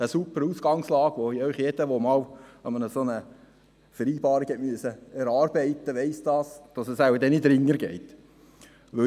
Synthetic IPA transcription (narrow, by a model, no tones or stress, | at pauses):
əsupəɾuːsɡ̥ɑŋslɑːɡ̥ʋoiœʏχjed̥əʋomɑːwɛnmːənəsonə | fəɾiːbɑːɾikhɛtmyəsəɛɾɑːɾbɛɪt̪əʋɛɪsd̥ɑːsd̥ɑsəsæwəd̪ɛnidɾɪŋːəɾɡɛɪt̪ | ʋɵ